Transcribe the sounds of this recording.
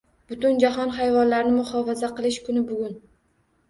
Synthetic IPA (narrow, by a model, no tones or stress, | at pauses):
b̥ʊt̪ʊnd͡ʒaɦɒnχajvɒnlaɾnɪmʊhɒfazaqɨlˠɪʃkʰʊnɪbʊɡʲʊn